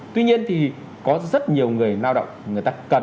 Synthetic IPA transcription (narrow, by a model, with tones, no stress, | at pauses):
t̪wi˧ɲi˧ənt̪ʰi˨˩ | kɔ˨˦zə˦˥t̚ɲi˨˩əwŋɨ˨˩əjlaː˧wɗə̰˧˨wŋ͡mŋɨ˨˩əjt̪aː˧kə˨˩n